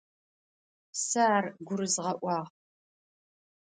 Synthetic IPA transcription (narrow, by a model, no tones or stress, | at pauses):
sɐːrɡʷʊɾɨzʁɐʔʷɑːʁ